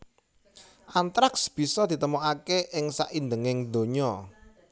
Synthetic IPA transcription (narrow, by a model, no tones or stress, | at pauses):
ʔant̪ɾaksb̥i̤sɔd̪̥i̤t̪əmoakeʔɪŋsa̰ʔind̪əŋɪŋd̪o̤ɲɔ